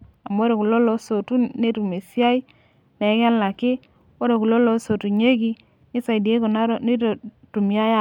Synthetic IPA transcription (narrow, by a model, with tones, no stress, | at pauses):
a˨m˦o˦ɾe˨ku˨lo˦lo˦so˨tu˦ne˦tu˨me˨sja˦i˦ | ne˨˦ŋa˦la˨kɪ˦ | o˦ɾe˨ku˨lo˦lo˨˦so˨tu˨ɲe˦ɡi˦ | nɪ˦sa˨i˨di˨e˦ko˨na˦ɾo˦ni˦to˨ | tu˨mja˦ja˦